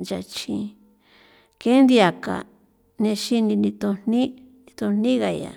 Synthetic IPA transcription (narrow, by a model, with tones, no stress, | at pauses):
d͡ʒa˨t͡ʃĩ˧ | kẽ˦nd̪i˧a˨ka̰˨ | nẽ˧ʃi˦˧nĩ˧nĩ˧t̪õ˧n̥nĩ˦ | ni˧t̪o˧n̥nĩ˦ɣa˨ja̰˨